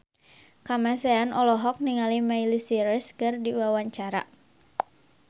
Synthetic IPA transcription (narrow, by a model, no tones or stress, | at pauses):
kamasɛanʔɔlɔɦɔk̚niŋalimailisiɾɛskɨrdiwawaɲt͡ʃaɾa̰